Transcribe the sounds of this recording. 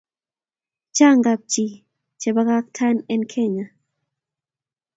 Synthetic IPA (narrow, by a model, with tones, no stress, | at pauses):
t͡ʃa˦ŋɡa˨p̚t͡ʃi˨ | t͡ʃɛ˨ba˦ka˦k̚tʰa˦nɛ˦nkʰɛ˦˨ɲa˨